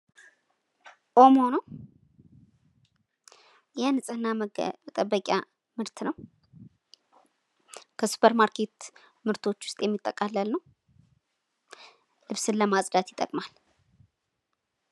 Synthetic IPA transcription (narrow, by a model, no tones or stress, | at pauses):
ʔo̞mono | jɛnɨsʼɨɨnːamt̪ʼəbːəkʼja̰ | mɨɾt̪ʰnəw | kʰəsu̥pʰəɾmaɾkʰe̞t̪ | mɨɾt̪ʰo̞t͡ʃːwʊ̥st̪ʼjɛmːit̪ʼːəkʼalːəlnəw | lɨβsɨnləmasʼd̪at̪jɪ̥t̪ʼːə̰kʼmal